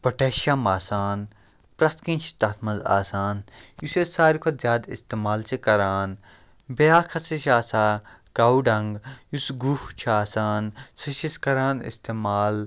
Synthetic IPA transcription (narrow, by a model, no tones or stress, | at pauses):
pɐʈeːʃamaːsaːn | pɾɐst̪kĩnt͡ʃʰi̥t̪ɐt̪ʰmɐnza̰ːsaːnjusesaːɾikʰozʲjaːd̪ḭst̪emaːlt͡ʃʰikɐɾaːn | bejaːkʰɐsiʃaːsaː | ɡaːwɖɐŋɡjusɡuht͡ʃʰaːsaːnsiʃiskɐɾaːnḭst̪emaːl